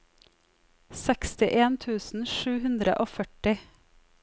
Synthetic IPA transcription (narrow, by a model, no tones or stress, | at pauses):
sɛkst̪ɪʔeːnt̪ʰʉːsn̩ʃʉːhʉnd̪ɾə̰ʔoːfœʈɪ